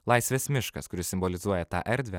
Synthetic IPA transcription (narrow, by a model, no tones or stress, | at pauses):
lˠɑɪsʲʋʲeːsmʲɪʃkɐ̰skʊɾʲɪssʲɪmbɔlʲɪzuɔjɛt̪ɑ̰ːʔɛɾʲd̪ʲʋʲɛ